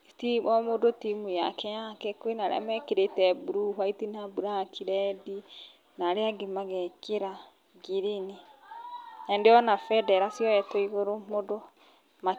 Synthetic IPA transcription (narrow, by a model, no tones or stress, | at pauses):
tiβɔmodotimuja̰kɛjakɛkoenaɾḛa̰mɛkeɾetɛbuɾuhwaitinabuɾakʰiɾɛdi | naɾeaɡemaɣɛkeɾa | ɡiɾene | jandeɔnafɛdɛɾasjɔɛtɔiɣoɾomodɔ | ma